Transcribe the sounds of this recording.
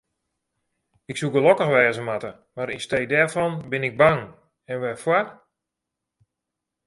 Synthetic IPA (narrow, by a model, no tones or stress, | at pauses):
ɪksukəlɔkəxʋɛːzəmatə | maɾinstej̚dɛɹfɔnbɪnɪɡ̚baŋ | ɛnʋɛfwar